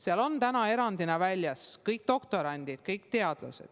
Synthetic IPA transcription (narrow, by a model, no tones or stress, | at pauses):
seɑlo̞nt̪ænɑe̞ɾɑnd̪inɑvælʲjɑskɤjk̚d̪̥o̞kt̪o̞ɾɑnʲd̪̥it̪kɤjkt̪e̞ɑd̪̥lɑ̰se̞̰d̪̥